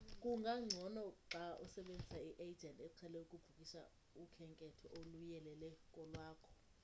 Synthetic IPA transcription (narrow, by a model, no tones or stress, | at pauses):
kʼuŋɡʱaŋ͡ǀʱɔnɔǁaʔusɛɓend͡zʱisaiʔed͡ʒʱɛntʼɛǀʰɛlɛukʼub̥ʱukʼiʃa̰ | ukʰɛŋkʼɛtʰɔʔolujɛlɛlɛkʼɔlwaːkʰɔ̥